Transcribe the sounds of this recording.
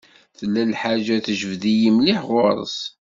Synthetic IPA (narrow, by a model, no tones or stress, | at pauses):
θəlːælħaʒæθəʒəvðijimliħʁʊɾˤə̰s